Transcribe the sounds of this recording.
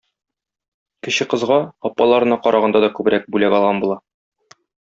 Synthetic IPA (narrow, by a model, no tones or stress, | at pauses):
kɘ̆ɕɘqɤ̆zʁɑɒpːɑlˠɑɾɤ̆nɑqɒɾʔɑʁɑnd̪ɑd̪ɒkʉbɘ̆ɾæk̚bʉlæɡɒlˠʁɑnbulˠɑ